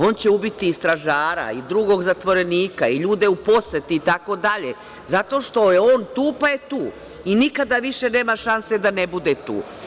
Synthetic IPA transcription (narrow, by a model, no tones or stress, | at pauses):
o̞ːnt͡ɕe̞ubit̪iːst̪ɾaʒaːɾa̰id̪ɾuɡo̞ɡzat̪ʋo̞ɾe̞niːkaiʎuːd̪e̞upo̞set̪iːt̪ako̞d̪aʎe | zat̪o̞ːʃt̪o̞jeo̞ːnt̪uːpaje̞t̪uː | inikad̪aʋiʃe̞ne̞ːmaʃanse̞d̪ane̞bud̪e̞t̪ṵː